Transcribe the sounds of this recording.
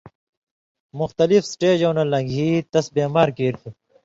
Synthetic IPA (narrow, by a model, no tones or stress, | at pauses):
mʊxt̪ɐlifsʈeːd͡ʑoːnɐlːɐɡʱiːt̪ɐsbeːmaːɾkeːɾt̪ʰu